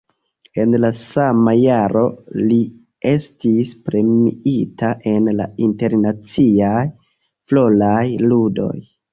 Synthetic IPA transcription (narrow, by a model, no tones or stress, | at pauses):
e̞nlasamajaɾʔo̞̰li | e̞stispɾe̞miitaʔe̞nla̰inte̞ɾnat͡siaj | flo̞lajludo̞̰j